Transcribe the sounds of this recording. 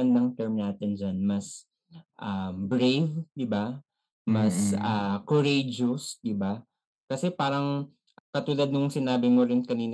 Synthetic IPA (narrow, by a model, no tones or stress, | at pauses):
ɐnd̪ɐŋt̪ɛɹmnaːt̪ɪnd͡ʒanmɐs | ʔɐmbɾejvd̪ɪba | mɐsaːkoɾejd͡ʒʊsd̪ɪba | kɐsɛpaːɾɐŋ | kɐt̪uːlad̪̚nʊŋsɪnaːbɪŋoɾɪnkɐniːn